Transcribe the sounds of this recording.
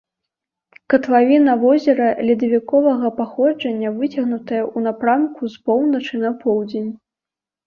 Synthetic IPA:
kɐt̪vavʲinɐvɔzʲɛɾɐlʲid̪ɐvʲikɔvɐɣɐpaxɔd͡ʐɐnʲːɐvɨt͡sʲɐɣnut̪ɐjɐʔunapɾamkʰuspɔwnɐt͡ʂɨnɐpʰɔwd͡zʲenʲ

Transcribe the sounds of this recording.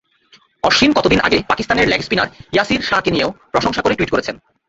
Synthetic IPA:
ɔʃinkɔt̪od̪inʔa̰ɡepakist̪aneɾlɛkspina̰ɾjasiɾʃakinieopɾoʃoŋʃakoɾeʈuiʈkoɾet͡ɕʰen

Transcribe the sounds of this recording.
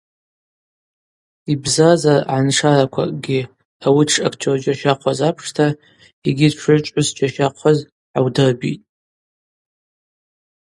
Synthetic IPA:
ibzazarʕanʂaɾakʷʰa̰kʼɡʲi | awiʈ͡ʂʰa̰kʰt͡ʃʰard͡ʒaʃaqʷʰazapʰʂtʰa | iɡʲɪʈ͡ʂʰʊt͡ʃʷʼʊsd͡ʒaʃaqʷʰaz | ʕawdɨrbḭtʼ

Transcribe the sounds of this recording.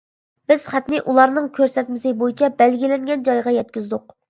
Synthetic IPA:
bɪz̥χæt̪nɪʔulˠɑɾnɨŋkʲʰøɾsɛt̪mɪsɪbojit͡ʃʰɛbɛlɡʲilɛŋɡʲɛnd͡ʒɑjʁɑjɛt̪̚kʲyzd̪ʊq̚

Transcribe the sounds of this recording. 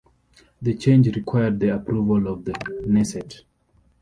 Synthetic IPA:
ðət͡ʃẽnd͡ʒɹikʰwajəd̚ðiapʰɹuvəlɔvðənɛsɛt

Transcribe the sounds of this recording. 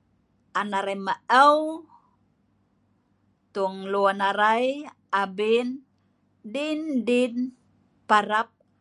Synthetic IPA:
ʔanaɾamaəw | t̪uŋluanaɾaj | abin | dindin | paɾap̚

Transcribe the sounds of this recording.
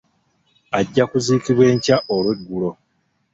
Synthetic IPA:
aɟːakuziːkiβwe̞ːɲcaʔolweɡːulo̞

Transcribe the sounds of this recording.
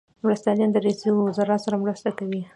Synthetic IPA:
mɾast̪jɑljɑnd̪əɾesiwɪzɑɾɑt̪saɾamɾəst̪akawi

